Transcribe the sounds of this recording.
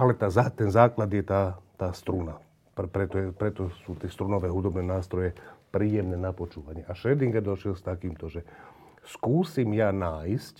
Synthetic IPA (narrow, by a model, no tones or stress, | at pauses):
alɛt̪aːzat̪ɛnzaːklad̪jɛt̪aːt̪aːst̪ɾuna | ppɾɛt̪ɔɛpɾɛt̪ɔsuːt̪ɛst̪ɾunɔʋɛɦud̪ɔbnɛnaːst̪ɾɔjɛpɾiːjɛmnɛnapot͡ʃuːʋaɲɪɛʔaʃɛd̪iŋɡad̪oʃjɛlst̪akiːmt̪ɔʒɛ | skuːsimjaːnaːjscʲ